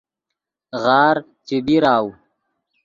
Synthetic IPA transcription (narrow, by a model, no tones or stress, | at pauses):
ɣaːɾ | t͡ɕibiɾaːw